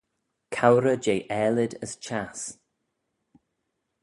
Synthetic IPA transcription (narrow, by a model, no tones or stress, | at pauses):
kʰawɾəd͡ʒejʔɛːlɪdəst͡ʃʰas